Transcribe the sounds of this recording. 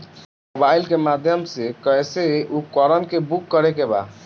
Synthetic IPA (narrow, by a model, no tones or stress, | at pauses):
mobailkemad̪ʱjəmsekəseukɔɾənkebukːəɾekeba̰